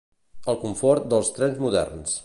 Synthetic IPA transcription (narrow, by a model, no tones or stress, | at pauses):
əlˠkuɱfɔɾt̪d̪əlˠst̪ɾɛnzmuðɛ̰rns